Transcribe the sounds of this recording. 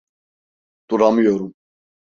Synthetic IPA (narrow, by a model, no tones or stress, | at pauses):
t̪uɾamujɔɾum